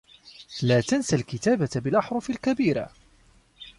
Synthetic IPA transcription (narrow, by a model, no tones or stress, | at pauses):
laːt̪ansalkɪt̪aːbabɪlʔɑħɾˤʊfɪlkabiːɾa̰